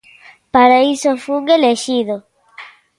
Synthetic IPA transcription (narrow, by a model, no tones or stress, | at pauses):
paɾaisofuŋɡeleʃiðo